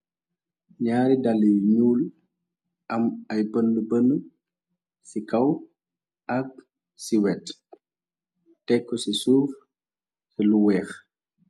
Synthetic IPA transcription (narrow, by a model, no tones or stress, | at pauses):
ɲaːɾidaliɲuːl | ʔɐmɐjbəndubənːu | sikɐw | ʔɐk̚ | siwɛt | tɛkːɔsisuːf | sɛluwɛːx